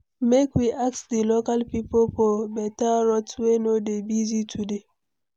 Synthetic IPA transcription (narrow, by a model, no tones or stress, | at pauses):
mekwiʔak̚sdilokalpipolfɔbɛtaɹɔtwenodebizitʰude